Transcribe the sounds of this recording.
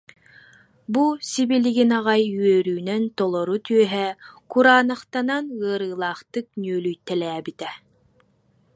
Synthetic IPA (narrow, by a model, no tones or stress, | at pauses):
busibiliɡinaʁajyœɾyːnœnt̪ɔlˠɔɾut̪yœɦɛkuɾaːnaχt̪ananɯɐɾɯːlˠaːχt̪ɯk̚nyœlyjt̪ːɛlɛːbit̪ɛ